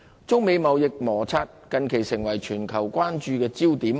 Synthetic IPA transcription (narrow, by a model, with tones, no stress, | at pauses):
t͡sʊ˥ŋme˨˧jmɐ˨˧wjɪ˨k̚mɔː˨˩t͡sʰaː˧t̚kɐ˨˧nkʰe˨˩jsɪ˨˩ŋwɐ˨˩jt͡ʃʰyː˨˩nkʰɐ˨˩wkʷwaː˥nt͡ʃyː˧kɛː˧t͡siː˥wt̪iː˨˥m